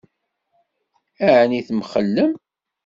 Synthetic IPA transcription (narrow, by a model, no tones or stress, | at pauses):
æʕniθmχəlːəm